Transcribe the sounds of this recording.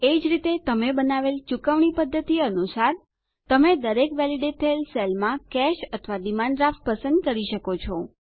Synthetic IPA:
ed͡ʒɾit̪et̪əmebənaʋelt͡ʃukəʋɳipəd̪ʱːət̪iənusaɾ | t̪əmed̪əɾekʋɛliɖet̪ʰəelselmãkɛʃət̪ʰəʋad̪imanɖɾaf̚pəsə̃nd̪̚kəɾiʃəkot͡ʃʰɔ

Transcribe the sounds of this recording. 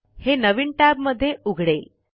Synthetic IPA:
henəʋiɳʈæbməd̪ʱːjeʔuɡʱɽe

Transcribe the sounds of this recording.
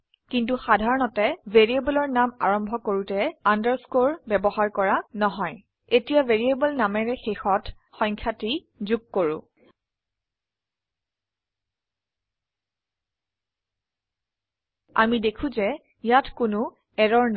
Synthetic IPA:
kint̬uxadʱaɹɔnɔtɛveɹiebɔlɔɹnama̰ɹɔmbʱɔkoɹutɛandəɹskoɹbɛbɔhaɹkɔɹanɔɦɔj | etijaveɹiebɔlnamɛɹɛxexɔt | xɔ̃jŋkʰjati | zuɡ̚koɹʊ̰̃ | amidekʰũzɛ | jatkʊnʊ | ɛɹɔɹn

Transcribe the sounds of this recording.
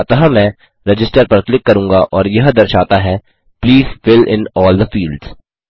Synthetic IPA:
t̪ɐɦamɛ̃ː | ɾɛd͡ʒɪsʈəɾpɐɾklɪkːɐɾũːŋɡaʔɔːɾjɐɦd̪ɐɾʃaːt̪aɦɛː | pliːzfɪlɪ̰̃nɔːld̪əfiːlɖz

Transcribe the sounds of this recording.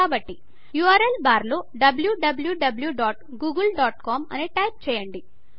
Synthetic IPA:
aːbɐʈːi | juːaːɾelbaːɾloːɖɐbljuɖɐbljuɖɐbljuɖaːʈ | ɡuːɡɐlɖaːʈkaːmɐ̰neːʈɐjp̚t͡ʃɛːjɐɳɖi

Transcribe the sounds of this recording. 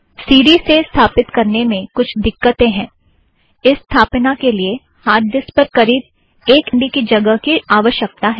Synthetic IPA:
siːɖisest̪ʰaːpɪt̪kɐɾnemẽkʊt͡ʃʰd̪ɪkːət̪ẽɦɛ̃ː | ɪsːt̪ʰaːpnakelie | haːɾd̪ɪspɐɾkɐɾiːd̪̚ | eːkɳɖikid͡ʒɐɡəɦkiaːʋəʃjək̚t̪aɦɛː

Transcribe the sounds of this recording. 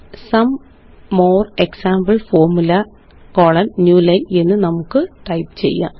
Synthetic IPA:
sɐmː | oːreksaːmbɐlfo̞ːrmulɐ | koɭɐnnjuːlɐje̞nːɨnɐmukːɨʈɐjpɨ̥t͡ɕe̞̰jːa̰ː

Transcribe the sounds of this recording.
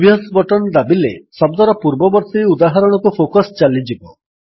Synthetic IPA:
bijɔt̪bɔʈɔnd̪abilesɔb̚d̪ɔɾɔpuɾbɔbɔɾt̪iud̪aɦaɾɔɽ̃ɔkupʰokɔst͡ʃalid͡ʒibɔ

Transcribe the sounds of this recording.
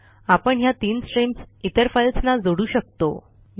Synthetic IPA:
apəɳjat̪iːnsʈɾimsit̪əɾfajlsnad͡zoɽuːɕək̚t̪o̰

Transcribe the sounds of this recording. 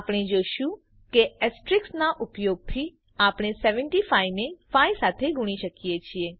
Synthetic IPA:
apɽ̃id͡ʒoʃũ | keɛsʈɾɪksnaʔʊpjoɡ̚t̪ʰi | apɽ̃esɛʋəɳʈifajnefaisat̪ʰeɡʱʊɽ̃iʃəkijet͡ʃʰie

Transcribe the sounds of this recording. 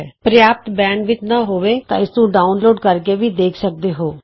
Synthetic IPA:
pɾjaːp̚t̪bɛ̃ːɳɖʋɪt͡ʃnaːɦoːʋeːt̪ã̰ːɪsnũːɖaːʊnloːɖkəɾkeːʋiːd̪eːkʰsək̚d̪eːɦoː

